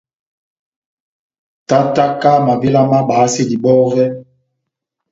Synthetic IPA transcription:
ta˦ta˦ka˦ma˨vi˦la˦ma˦ɓaː˨˦se˦di˨ɓɔ˦ɣɛ˦

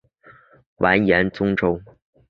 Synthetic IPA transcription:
wʔa˧˥njɛ˧˥nt͡sʊ˥ŋʈ͡ʂo˥ʊ

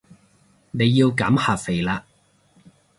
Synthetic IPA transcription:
ne˨˧jːiː˧wkaː˨˥mhaː˨p̚fe˨˩jlaː˧

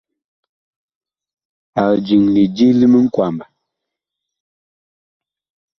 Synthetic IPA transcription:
a˨d͡ʒi˨ŋni˨d͡ʒi˦li˦mə˦ŋ̩˦kwa˨mba˨

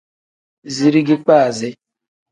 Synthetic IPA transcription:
zi˨ɾi˦ɡɪ˦k͡pa˦a˨zɪ˦

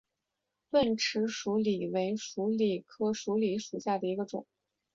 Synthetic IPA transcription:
wə˥˩nʈ͡ʂʰɻ̩˧˥ʂu˧˥li˨˩we˧˥ɪʂu˧˥li˨˩kʰɤ˥ʂu˧˥li˨˩˥ʂu˨˩ɕja˥˩d̪ə˩i˧˥ɡə˧ʈ͡ʂʊ̰˨˩˦ŋ

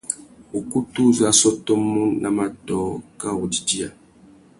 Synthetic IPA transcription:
o˨ku˦tu˦˨za˨˦sɔ˦tɔ˦mɔ˦nʔa˨ma˨tɔ˨ka˦o˨di˨di˦a˨

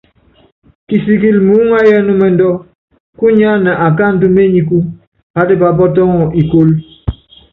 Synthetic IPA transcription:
ki˨si˨ki˦˨lmu˦ŋa˦jɛ˦nu˦mɛ˨n˦dɔ˦ | ku˦ɲa˦na˨ʔa˨ka˦˨n̩˨du˦me˦ɲi˨ku˦ | ha˦de˦ba˨bɔ˦t̬ɔ˦ŋɔ˨ʔi˨ko˦l

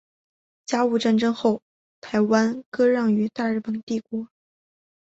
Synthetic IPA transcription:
t͡ɕja˥u˥˧ʈ͡ʂa˥˩nʈ͡ʂɤ˥ŋxo˥˩ʊ | t̪ʰa˧˥ɪwa˥nkɤ˥ɻɑ˥˩ŋy˧˥t̪a˥˧ɻ̩˥˩pə˨˩nt̪i˥˩kwɔ˧˥

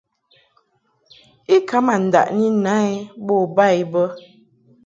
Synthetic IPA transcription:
i˦ka˦ma˨n̩˨da̰˨ʔni˦na˦ɛ˦bɔ˦˨ba˦˨i˦bə˦

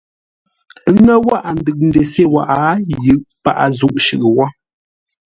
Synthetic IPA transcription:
ŋə˦wa˦ʔa˨n̩dɨ˨k̚n̩˦de˨se˦˨wa̰˨ʔa˨˦jɯ˨ʔpa̰˦˨ʔa̰˨zu˨ʔʃʉ˨ʔɨ˨wɔ˦

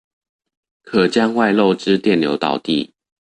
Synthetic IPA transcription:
kʰə˨˩t͡ɕja˦ŋwa˥˧ɪlo˥˨ʊʈ͡ʂɻ̩˥˦t̪jɛ˥˨nljo˧˥ʊt̪ɑ̰˨˩ʊt̪ḭ˥˨

